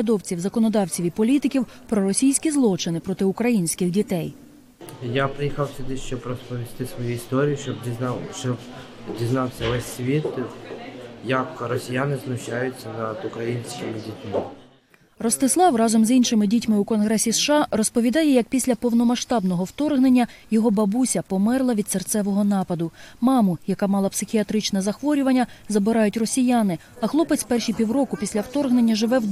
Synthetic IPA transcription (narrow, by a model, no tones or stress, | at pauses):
d̪ɔwt͡sʲiwzɐkɔnɔd̪ɑwt͡sʲiʋʲipɔlʲit̪ɪkʲiw | pɾɔɾɔsʲijsʲkʲizlˠɔt͡ʃɪnɪpɾɔt̪ɪʊkɾɐjinʲsʲkʲɪɣdʲit̪ɛj | japɾɪjixɑwsʲʊd̪ɪʃt͡ʃɔbɾɔspɔʋʲist̪ɪsʋɔjuist̪ɔɾʲijiɔbʲʃɔb | dʲiznɑwsʲɐʋɛsʲːʋʲit̪ | jɐkɾɔsʲijanɪznʊʃajʊt͡sʲːɐnɐd̪ʊkɾɐjinʲsʲkʲɪmɪdʲitʲmɪ | rɔst̪ɪslˠɑwrɑzɔmzinʃɪmɪdʲitʲmɪʊkɔnɦɾɛsʲisʃɑrɔspɔʋʲid̪ɑjɛjɐk̚pʲisʲlʲɐpɔwnɔmɐʃt̪ɑbnɔɦɔwt̪ɔrɦne̞nʲːɐjɔɦɔbɐbusʲɐpɔmɛrlˠɐʋʲid̪sert̪sɛʋɔɦɔnɑpɐd̪ʊmɑmʊjɐkɑmɑlˠɐpsɪxʲiɐt̪ɾɪt͡ʃnɛzɐxʋɔɾʲʊʋɐnʲːɐzɐbɪɾɑjʊtʲrɔsʲijanɪ | ɐxlˠɔpɪt͡sʲpɛrʃijpʲiwrɔkʊpʲisʲlʲɐwt̪ɔrɦne̞nʲːɐʒɪʋɛw